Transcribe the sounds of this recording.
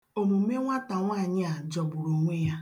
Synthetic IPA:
o˨mu˨˦me˦ŋʷa˦ta˨ŋʷa˦˨ɲɪ˦a˨d͡ʒɔ˨bʊ˨ɾo˨ŋʷe˦ja˦

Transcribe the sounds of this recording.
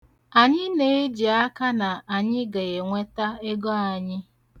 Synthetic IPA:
a˨ɲɪ˦ne˨˦e˦d͡ʒi˨a˦ka˦na˨a˨ɲɪ˦ɡe˨ɣe˨ŋʷe˦ta˦e˦ɡɔ˦a˨ɲɪ˦

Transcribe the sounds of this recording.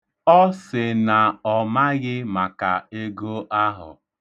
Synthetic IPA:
ɔ˦sɪ˨na˨ɔ˨ma˦ɣɪ˦ma˨ka˨e˦ɡo˦ʔa˦ɦʊ̰˨

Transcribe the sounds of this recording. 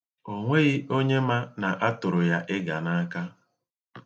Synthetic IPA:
o˨ŋʷe˦ɣi˦ʔo˦ɲe˦ma˦na˨ʔa˦tʊ˨ɾʊ˨ja˦ʔɪ˦ɡa˨na˦ka˦

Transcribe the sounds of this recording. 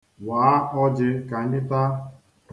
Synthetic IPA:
waː˨˦ʔɔ˦d͡ʒɪ˦ka˨˦nɪ˦ta˦

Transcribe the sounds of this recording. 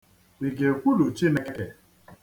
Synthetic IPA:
i˨ɡe˨kʷu˦lu˨t͡ʃi˦ne˦ke˨

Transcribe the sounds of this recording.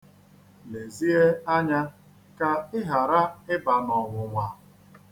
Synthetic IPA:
le˨zi˦e˦a˦ɲa˦ | ka˦ɪ˦ɦa˨ɾa˦ɪ˦ba˨nɔ˨wʊ˨ŋʷa˨

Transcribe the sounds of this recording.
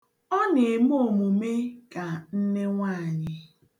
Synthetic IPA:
ɔ˦ne˨m˦o˨mu˨me˦ka˨n̩˦ne˦ŋʷa˦˨ɲɪ˦

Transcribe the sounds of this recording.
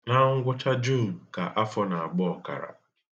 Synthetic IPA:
na˦ŋ̩˦ɡʷʊ˦t͡ʃa˦d͡ʒu˦˨m̩˨ka̰˨ʔa˦fɔ˦na˨a˨ɡ͡bɔ˦ɔ˨ka̰˨ɾa̰˨

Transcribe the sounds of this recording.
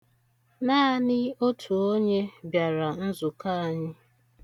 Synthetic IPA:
naː˦a˦˨nɪ˦o˦tʰu˨o˦ɲe˦bja˨ɾa˨n̩˦zʊ˨ka˦a˨ɲɪ˦

